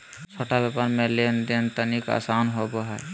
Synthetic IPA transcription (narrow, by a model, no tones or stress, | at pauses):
t͡ʃʰoʈabepaɾmẽlend̪ent̪ənika̰ːsanɦoboɦɛ